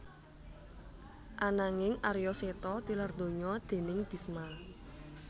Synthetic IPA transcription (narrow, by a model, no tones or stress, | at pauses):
ʔanaŋɪŋʔarjɔset̪ɔt̪ilard̪̥o̤ɲɔd̪̥e̤nɪŋb̥i̤sma